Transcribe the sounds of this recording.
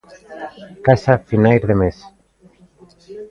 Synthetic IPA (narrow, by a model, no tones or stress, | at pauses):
kasafinajɾðemes